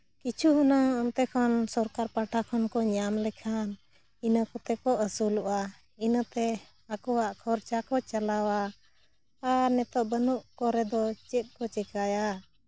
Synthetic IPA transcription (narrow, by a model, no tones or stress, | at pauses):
kit͡ʃʰuɦunaɔnt̪ɛkʰɔnsɔɾkaɾpaʈʰakʰɔnkɔɲamlɛkʰan | inakɔt̪ɛkɔʔəsuluʔa | inat̪ɛ | akɔwaʔkʰɔɾt͡ʃakɔt͡ʃalawaː | ɾnɛt̪ɔʔbənuʔkɔɾɛd̪ɔt͡ʃɛt̪̚ˀkɔt͡ʃɛkaja